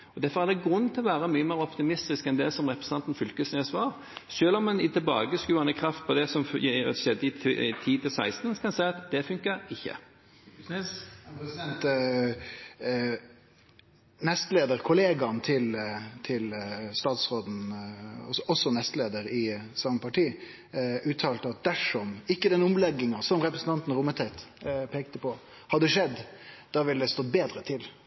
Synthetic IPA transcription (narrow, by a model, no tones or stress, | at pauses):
ɔd̪æɾfɔɾʁæd̪ɛɡʁʉnːt̪ʰɪlɔʋæːɾəmyːəmeːɾɔpt̪ɪmɪst̪ɪskɛnd̪ɛsɔmʁɛpʁɛ̥sɑnt̪n̩fʏlkəsneːsʋɑːʁ | ʃøːlɔmːɛnɪt̪ʰɛlbɑ̰ːɡəskʉːɑnəkʰɾɑft̪̚pʰɔd̪ɛsɔm̰ʃɛd̪ːəɪt̪ʰiːt̪ʰɪlsæɪst̪n̩kʰɑnsæɪɑt̪d̪ɛfʉŋkəɪçːə̰ | n | nɛst̪leːd̪əɾkʰʊleːɡɑnt̪ʰɪlt̪ʰɪlst̪ɑːt̪sʁoːd̪n̩ɔɔsːɔnɛst̪leːd̪əɾɪsɑŋəpʰɑʈiː | ʉːt̪ʰɑːlt̪əɑt̪̚d̪æʂɔmɪkːəd̪ɛnʊmlɛɡːɪŋɑsɔmɾɛpɾəsn̩t̪ɑnt̪nɾʊmːət̪ʰæɪt̪pʰeːk̚t̪əpʰɔ | hɑd̪ːəʂɛd̪ː | d̪̥ɑːʋɪləd̪ɛst̪oːbeːd̪ɾət̪ʰɪl